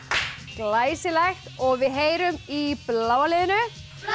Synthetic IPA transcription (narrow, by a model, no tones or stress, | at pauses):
klaːjsɪlɛxt̪ɔɣvɪðɦeːjɾʏmiplaːwalɪːðɪnʏ